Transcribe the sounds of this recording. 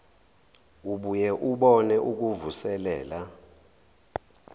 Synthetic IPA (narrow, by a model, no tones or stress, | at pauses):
uɓujɛʔuɓɔnɛʔuk̬uvusɛlɛːla